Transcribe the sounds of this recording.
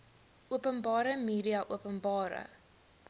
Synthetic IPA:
ʔuəpənbɑːɾəmiːɾiɐʔuəpənbɑːɾə̰

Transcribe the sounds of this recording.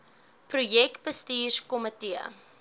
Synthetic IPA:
prujɛk̚bəstiːrkɔmətiə̰

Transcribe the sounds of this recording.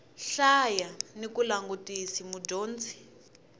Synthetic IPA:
ɬajanikulaŋɡutʼisimud͡ʒoːnt͡si̥

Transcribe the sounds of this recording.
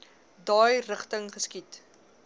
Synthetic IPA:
dɑːjrəχtəŋχəskit

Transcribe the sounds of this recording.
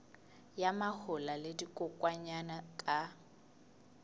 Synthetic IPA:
jamahʊlaledikʼʊkʼwaɲanakʼa

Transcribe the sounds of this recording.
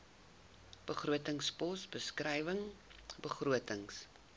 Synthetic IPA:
b̥əχruətəŋspɔsbəskrɛjvəŋbəχruətəŋs

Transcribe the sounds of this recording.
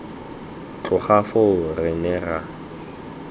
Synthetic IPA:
t͡ɬʼʊχafoʊrɪnɛra

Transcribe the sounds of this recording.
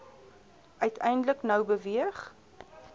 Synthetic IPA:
œɥtʰɛjndləknəwbəviəχ

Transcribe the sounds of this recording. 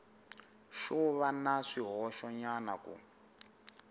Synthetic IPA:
ʃɔβanaʂiɦɔʃɔɲanakṵ

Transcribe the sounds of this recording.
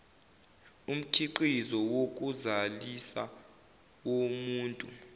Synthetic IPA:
um̩kʰiǃizɔwok̬ʼuzalisa̰ | womuːntʼu

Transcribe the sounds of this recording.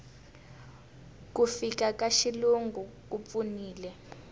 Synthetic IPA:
kufikakaʃiluŋɡʱuk̬up̪funiːlɛ

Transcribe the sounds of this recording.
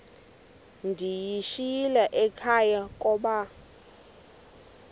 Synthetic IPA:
ndʱijiʃilɛʔɛkʰajakʼɔːɓa

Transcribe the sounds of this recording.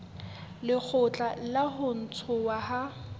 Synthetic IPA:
lɪk͡xʰʊt͡ɬʼalaɦʊn̩t͡sʰʊwaɦa

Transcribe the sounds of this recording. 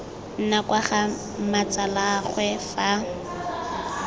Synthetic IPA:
n̩nakwaχa | mat͡salaχwɛfa

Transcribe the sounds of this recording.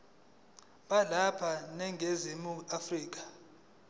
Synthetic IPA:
ɓalapʰanɛŋʱezimuafriːk̬ḁ

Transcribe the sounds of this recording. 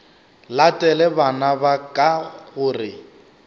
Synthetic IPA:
latʼɛlɛbanabakʼaɣʊrɪ

